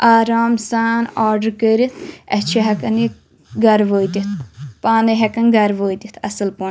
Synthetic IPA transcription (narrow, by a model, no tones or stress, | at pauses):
aːɾaːmsaːnaːɾɖəɾkəɾit̪ʰɛt͡ʃʰɐɦɐkɐni | ɡɐɾʋoːjd̪it̪ʰpaːneɦɐkɐnɡɐɾʋoːid̪it̪ʰɐsɨlpo